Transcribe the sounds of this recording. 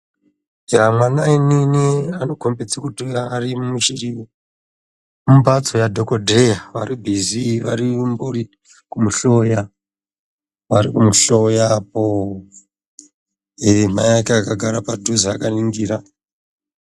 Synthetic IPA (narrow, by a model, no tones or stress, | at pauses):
jamwanaininiano̞kʰombed͡zakutiarimiʃiri | mumbat͡so̞jadʱokodʱejaʋa̰ribʱiziʋaɾimburi | kumuɬo̞ja | ʋaɾikumuɬojapo | em̤ajakeakaɡʱaɾapadʱuziakaniŋɡiːɾa